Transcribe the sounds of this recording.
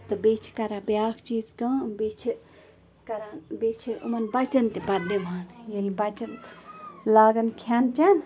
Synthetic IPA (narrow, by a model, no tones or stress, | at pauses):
t̪ɨbet͡ʃʰi̥kɐɾãːbjaːkʰt͡ʃiːzkɐ̃bet͡ʃʰi | kɐɾanbet͡ʃʰiṵmɐnbɐt͡ʃɐnt̪ibɐdimaːnjelbɐt͡ʃɐnt̪laːɡɐnkʰaːnt͡ʃan